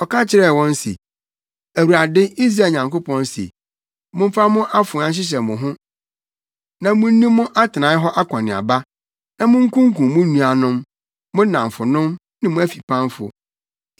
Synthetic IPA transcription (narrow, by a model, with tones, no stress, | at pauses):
ɔ˨ka˦t͡ɕʰɪ˨ɾɛ˦˨wɔ̃˦nsḛ˨ | æ˨wu˨ɾa˨dɪ˦i˦s̬ɾaː˨ɲã˨ŋkʊ˦pʰɔ̃˦nsḛ˨ | mʊ̃˦m̩˦fa˦mʊ̃˦ʔa˦fʊ̃˨˦ã˦ɕ̬ɪ˦ɕ̬ɛ˨mʊ̃˨ɦʊ̃˦ | nã˨mʊ̃˦n˦nĩ˦mʊ̃˦ʔa˦tʰɪ˨nã˨˦ɦɔ˦ʔa˦kʰɔ̃˨nɪ̃˨a̰˨ba˦ | nã˨mʊ̃˦ŋ̩˦kũ˦ŋ˦kũ˨mʊ̃˦nũ˨a˨nʊ̃˦mː | ʊ̃˦nã˨m˨fʊ˨nʊ̃˦m | nɪ̃˦mʊ̃˦æ˦fi̥˨pʰã˦mfʊ̰˨